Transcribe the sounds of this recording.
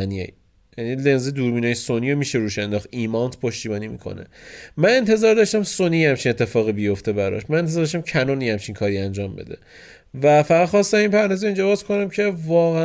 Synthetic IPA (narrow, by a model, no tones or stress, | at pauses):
niḛ | jænilenzed̪uːɾbiːnɒːjesonijomiʃeɾuːʃænd̪ɒːχt̪imɒnt̪ʰpʰo̞ʃt̪iːbɒːnimḭːkʰo̰nḛmæne̞nt̪ʰe̞zɒːɾd̪ɒʃt̪æmsoniːhæmt͡ʃʰine̞t̪ːe̞fɒːɣibijo̞ft̪e̞bæɾɒ̰ʃmænenezɒɾd̪ɔʃ̬t̪æmcʰænɔːnihæmt͡ʃʰinkʰɒːɾiænd͡ʒɒːmbe̞̰d̪e̞̰ | væfæʁæd̪̥χxɒst̪æminpʰæɾnɒzeiːnd͡ʒɒbɒːz̥kʰo̞næmcʰe̞vɒːɣæ